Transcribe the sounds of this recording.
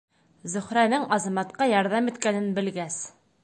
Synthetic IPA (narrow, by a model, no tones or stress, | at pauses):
zɵ̆χɾænɘŋɑzɑmɑt̪qɑjɑɾðɑmit̪kænɘnbɘ̆lɡæs